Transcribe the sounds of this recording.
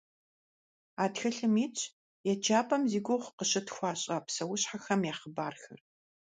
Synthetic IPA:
aːtxɐɬɨmiːt͡ʃʼʰ | jɛt͡ʃʰaːpʰʼɐmziːɡʷoχqəɕɐtxʷɑːɕʼɐpsɐwʊɕħaxɐmjaːχəbaːrxɐ̰r

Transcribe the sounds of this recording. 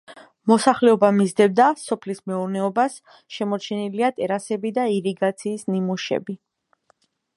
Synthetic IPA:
mɔsaχlɛɔbamizd̪ɛbd̪asɔpʰlismɛuɾnɛɔbas | ʃɛmɔɾt͡ʃʰɛniliat̪ʼɛɾasɛbid̪aiɾiɡat̪sʰiːsnimuʃɛ̰bi

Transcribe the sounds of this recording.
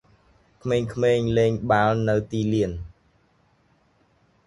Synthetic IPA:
kʰmeːŋkʰmeːŋleːŋɓaːlnɨwt̪iːliən

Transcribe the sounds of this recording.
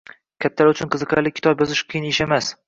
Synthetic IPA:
kʲʰat̪ʰːaɾʊt͡ʃʰʊnqʰɨzɨqʰaɾlɪkʲʰːɪ̥t̪ʰɒbjɒzɪʃqʰɨjɪneʃemas

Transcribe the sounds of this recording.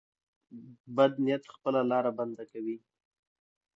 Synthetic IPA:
bad̪nijat̪xpəlalɑɾaband̪akawi

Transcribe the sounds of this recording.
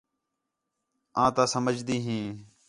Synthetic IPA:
ãːt̪ãːsəməd͡ʒd̪iːɦĩː

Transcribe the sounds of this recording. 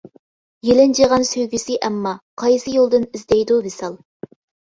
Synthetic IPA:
jelɪnd͡ʒeʁɑnsøjɡʲysɪʔɛmːɑqʰɑjsɨjolˠd̪ɨnizd̪ɛjd̪ubɪsɑlˠ

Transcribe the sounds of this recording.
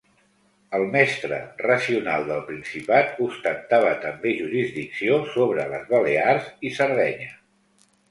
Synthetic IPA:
əlˠmɛst̪ɾə̰rəsiunalˠd̪əlˠpɾinsipat̪ust̪ənt̪aβət̪əmbeʒuɾizdiksiosoβɾələzβəlearzisəɾð̞ɛɲə

